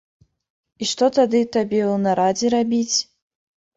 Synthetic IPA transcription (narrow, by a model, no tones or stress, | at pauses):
iʂt̪ot̪ad̪ɨt̪abʲewnaɾad͡zʲiɾabʲit͡sʲ